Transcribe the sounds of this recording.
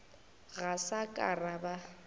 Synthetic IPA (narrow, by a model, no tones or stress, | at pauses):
ɣasakʼaraba